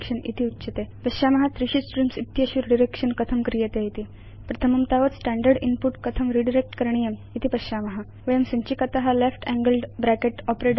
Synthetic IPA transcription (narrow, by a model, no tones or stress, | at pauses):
kʂənḭt̪ʰiutːt͡ɕət̪epəɕaməɦat̪ɾiɕisʈɾimsit̪ːjəɕuɾɖiɾekʂənkət̪ʰəmkɾijet̪eit̪iː | pɾət̪ʰəməmt̪aʋət̪sʈæ̃ɳɖəɾɖinpuʈkət̪ʰəmɾiɖiɾek̚ʈkəɾɳijəmit̪ʰipəaməɦa | ʋəjəmsəɲt͡ɕikət̪aɦalefʈæ̃ŋɡəlɖbɾækeʈɔpɾeɖ